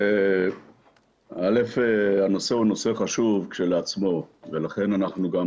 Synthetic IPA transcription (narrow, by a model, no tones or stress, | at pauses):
e | alefeano̞seuno̞seχaʃuvkʃeleat͡smo̞velaχe̞nanaχnuɡam